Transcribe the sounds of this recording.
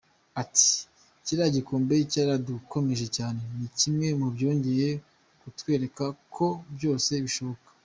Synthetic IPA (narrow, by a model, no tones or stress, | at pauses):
ati̥ | ciɾaɟikoːmbe̞caɾaduko̞me̞ʒe̞caːne̞nicimŋe̞mubjo̞ːɲɟe̞je̞ | kutwe̞ːɾe̞kakʰo̞bjo̞ːse̞βiʃo̞βo̞kḁ